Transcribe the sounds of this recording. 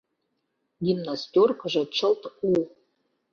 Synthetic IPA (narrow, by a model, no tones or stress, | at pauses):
ɡʲimnastʲorkʰəʒat͡ʃʰəltʰu